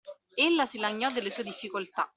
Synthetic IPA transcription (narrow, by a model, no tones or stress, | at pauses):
elːasilaɲːɔd̪ːelːesued̪ifːikolt̪a̰